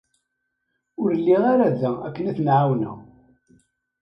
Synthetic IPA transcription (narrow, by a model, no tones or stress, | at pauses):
ʊɾlːiʁaɾæðææ̰kːənæθnʕawnæ̰